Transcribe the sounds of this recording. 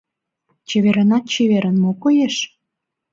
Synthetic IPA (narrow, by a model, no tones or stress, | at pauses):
t͡ɕeβeɾənɑt̪̚t͡ɕeβeɾənmokojeʃ